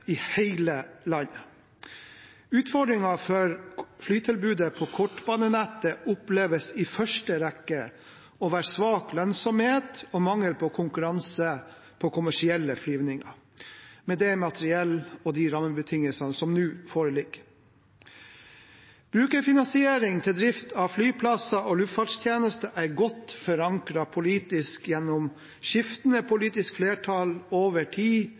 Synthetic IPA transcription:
ɪheɪləlɑnə | ʉːt̪fɔɖɾɪŋɑfœɾflyːt̪ʰɪlbʉːd̪əpʰɔkʰɔʈːbɑːnənɛt̪ːəʔʊpleːʋəsɪfœʂʈəɾɛkːə | ɔʋæːɾsʋɑːklœnsɔmheːt̪ɔmɑŋːəlpʰɔkʰʊŋkʉɾɑnsə | pʰɔkʰʊmæʂɪɛlːəflyːʋnɪŋɑ̰ | mɛd̪ɛmɑt̪əɾɪɛlɔd̪iɾɑmːəbət̪ʰɪŋəlsənəsɔmnʉːfoːɾəlɪɡ̥ | b̥ɾʉːkəfɪnɑnsɪeːɾɪŋt̪ʰɪld̪ɾɪft̪ɑʋflyːpʰlɑsɑʔɔlʉfffɑlʈst̪ʰjeːnəst̪əʔæɡɔt̪fɔɾɑŋkɾɑpʰʊliːt̪ɪskjɛnːɔm | ʃɪft̪ənəpʰʊliːt̪ɪskfleːʈʰɑloːʋəʈʰiː

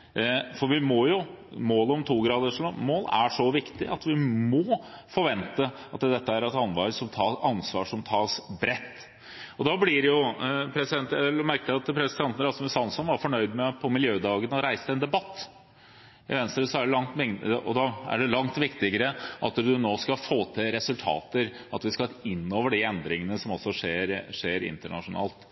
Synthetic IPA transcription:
fɔɾʋɪmɔjʊmoːləɔmt̪ʰuːɡɾɑːd̪əʂɔmoːlæʂɔʋɪkt̪ɪʔɑ̰t̪ʋɪmɔfɔɾʋɛnt̪əɑt̪d̪ɛt̪ːəæɾɛt̪ɑnʋɑːɾəsɔmt̪ʰɑːɑnsʋɑ̰ːʂɔmt̪ʰɑːsbɾɛt̪ː | ɔd̪ɑblɪɾjʊpʰɾɛsɪd̪ɛnt̪ɛlːmæɾkət̪ɑt̪pʰɾɛsɪd̪ɛnt̪n̩ɾɑsɔməsɑnsɔnʋɑɾfɔɳœʏd̪mɛpʰɔmɪljøːd̪ɑːɡənɔɾæɪsəɛnd̪ɛbɑt̪ː | ɪʋɛnst̪ɾəsɔæɖɛlɑŋt̪ɪŋɔ̰d̪ɑæ̰ɖɛlɑŋt̪ʋɪkt̪ɪɡəɾəʔɑt̪d̪ʉnoːskɑfoːt̪ʰɪɾɛsʉlt̪ʰɑ̰ːt̪əɾ | ɑt̪ʋɪskɑɪnːoːʋəɖɪɛnd̪ɾɪŋənəsɔmɔsːɔʂeːɾʂeːɾɪ̰nt̪əɳɑ̰ʂʊnɑ̰ːlt̪

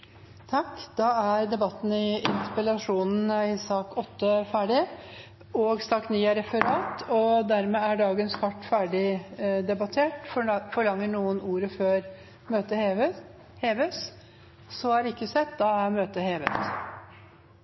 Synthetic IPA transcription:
t̪ʰɑkːd̪ɑæɾd̪ɛbɑt̪ːn̩ɪɪnt̪əɾpəlɑʂuːnn̩ɪsɑːkɔt̪ːəfæːɖɪ | ɔɡst̪ɑkniːɑɾɛfəɾɑːt̪ɔd̪æɾmɛæɖɑːɡənskʰɑʈːfæːɖɪd̪ɛbɑt̪ʰeːʈfɔɭɑŋːəɳuːənuːɾəføːɾ | møːt̪ə | heːʋəs | sɔhɑɾɪkːəsɛt̪ːd̪ɑæɾmøːt̪əheːʋə̰t̪

